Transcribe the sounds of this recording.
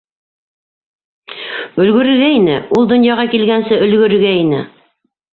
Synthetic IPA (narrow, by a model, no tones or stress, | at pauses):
ɵ̆lɡɵ̆ɾɘ̆ɡæinɘulˠd̪ŏnjɑʁɑkilɡænsɘʔɵ̆lɡɵ̆ɾɘ̆ɡæinɘ̰